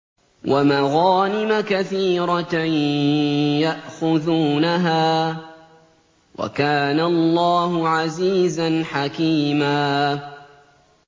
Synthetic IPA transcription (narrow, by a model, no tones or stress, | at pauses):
wʔamaɣɑːnɪmakaθiːɾˤɑ | jaʔxʊðuːnaɦaː | wa̰kaːnalˤːɑːhʊʕaziːzanħakiːmaː